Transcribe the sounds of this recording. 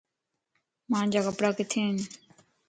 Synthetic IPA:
mãːnd͡ʑaːkəpɽaːkɪt̪ʰeːn

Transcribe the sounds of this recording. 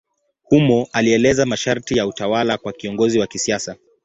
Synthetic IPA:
humɔʔaliɛlɛzamaʃaɾtijautawalakwakiɔŋɡɔziwakisiasa

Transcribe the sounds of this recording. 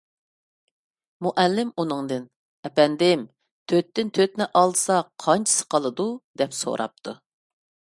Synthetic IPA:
muʔælːɪmunɨŋd̪ɪn | ɛpɛnd̪ɪm | t̪ʰøt̪ːɪnt̪ʰøt̪nɪʔɑlˠsɑqʰɑnt͡ʃʰi̥sɨ̥qʰɑlˠɨd̪ud̪ɛpso̰ɾʔɑ̰p̚t̪ʰu

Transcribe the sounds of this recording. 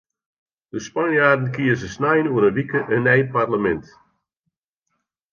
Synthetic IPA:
d̥əspanjaːdən̩kiəsəsnajənuəɾəʋikəʔənɛjparləmɛnt

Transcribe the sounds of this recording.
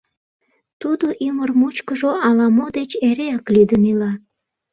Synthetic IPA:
t̪ud̪oʔimərmut͡ɕkəʒoɑlɑmod̪et͡ɕeɾeɑklid̪ənilɑ

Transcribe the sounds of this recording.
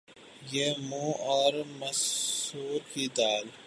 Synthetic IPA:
jeːmũːɔːɾmɐsuːɾkiːd̪aːl

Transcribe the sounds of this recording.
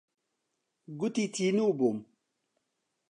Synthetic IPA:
ɡutitiniubom

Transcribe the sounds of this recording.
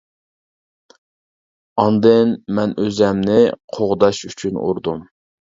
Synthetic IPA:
ɑnd̪ɨnmɛnøzɛmnɪqʰoʁd̪ɑʃyt͡ʃʰynṵɾd̪um

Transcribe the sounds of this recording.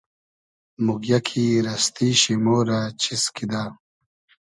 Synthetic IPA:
muɡjɐkʰiːɾɐst̪iːɕimoːɾat͡ɕʰiskid̪aː

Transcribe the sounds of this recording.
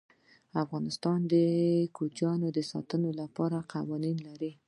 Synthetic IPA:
afɣɑnɪst̪ɑnd̪əkud͡ʒjɑnod̪əsɑ̰t̪ənolapɑɾaqawɑninlaɾi

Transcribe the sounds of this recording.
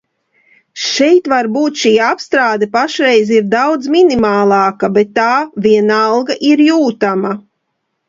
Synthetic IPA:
ʃɛjt̪vaɾbuːt̪ʃiːapst̪ɾaːd̪ɛpaʃɾɛjziɾd̪awd̪zminimaːlˠɑːkabɛt̪ːaːviɛnaɑlˠɡaʔiɾjuːt̪ama

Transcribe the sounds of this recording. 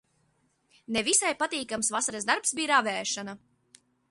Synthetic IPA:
nevisajpat̪iːkamsvasaɾasd̪aɾpsbiːɾavɛːʃana

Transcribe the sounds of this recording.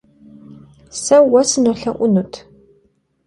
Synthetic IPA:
sɐwɐsɨnɔɬɐʔʷʊnutʰ

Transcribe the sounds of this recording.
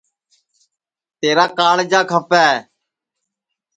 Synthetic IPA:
t̪eːɾaːkaːɽd͡ʒaːkʰəpaːeː

